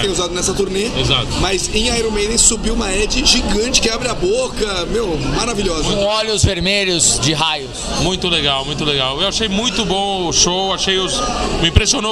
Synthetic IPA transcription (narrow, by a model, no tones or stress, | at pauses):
ẽj̃uzad̪ʊnɛsɐt̪uɾneeza̰t̪ʊmɐzẽj̃ajɾõmed̪ẽsubiwũmɐɛd͡ʒɪʒiɡɐ̃t͡ʃɪ̥kɪabɾɪɐbokɐmewmaɾaviʎɔzɐ̃ɔʎʊzveɾmeʎʊzd͡ʒɪɦajʊs | mũj̃t̪ʊleɡawmũj̃t̪̬ʊleɡawewaʃejmũj̃t̪ʊbõʊʃowaʃejʊsmɪĩpɾesiono